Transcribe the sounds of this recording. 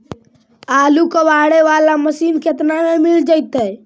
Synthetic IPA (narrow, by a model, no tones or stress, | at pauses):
alukəbaɽeʋalaməsinket̪namemild͡ʒəjt̪ɛ